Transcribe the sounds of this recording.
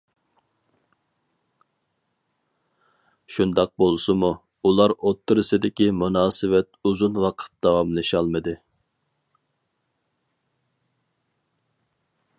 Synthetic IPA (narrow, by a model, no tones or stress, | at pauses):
ʃund̪ɑq̚bolˠsɨmu | ulˠɑɾot̪ʰːɨɾɨsɨd̪ɪkʲimunɑːsɨvɛt̪̚uzunwɑqʰə̥t̪̚d̪ɑwɑmlˠɨʃɑlˠmɨd̪ɨ